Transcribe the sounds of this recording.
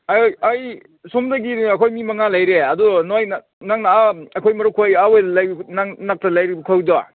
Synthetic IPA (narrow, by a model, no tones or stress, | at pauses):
ajaj | sumdɐɡidɐkʰojmimɐŋalajɾeɐdunojn | naŋnaaɐkʰojmɐɾukʰojawajdlajbnaŋnak̚tʰalajɾibukʰawdɔ